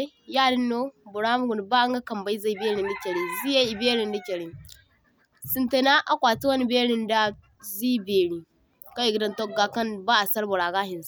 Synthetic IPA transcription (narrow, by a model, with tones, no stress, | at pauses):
ja˦˨di˦nːo˦bu˨ɾa˦m˦ɡu˨n˨ba˦ŋ˦ɡa˦ka˨mba˦i˦za˦i˨be˦ɾi˨ndi˦ke˨ɾi˨zi˦ja˦i˨be˦ɾi˨ndi˦kʲe˨ɾi˨ | si˨nte˨na˦ʔa˨kʷa˨ti˦wa˦ni˨be˦ɾi˦nda˦ | zi˦be˨ɾi˨ | ka˦i˨ɡi˦da˦nto˦ɡa˨ka˦nba˦a˨sa˦lbu˨ɾa˨ɡa˦hi˨nz